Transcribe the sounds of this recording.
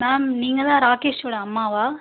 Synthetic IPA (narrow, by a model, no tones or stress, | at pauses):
maːmniːŋɡɐd̪ãːɾaːkeːʂʋoːɽɐɐmːaːʋaː